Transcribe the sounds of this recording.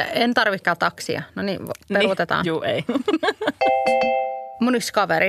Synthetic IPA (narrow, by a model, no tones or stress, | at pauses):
ent̪ɑrʋikːɑːt̪ɑksḭɑ̰nonḭpelut̪et̪ɑ̰ːnjuːe | muniskɑʋeɾi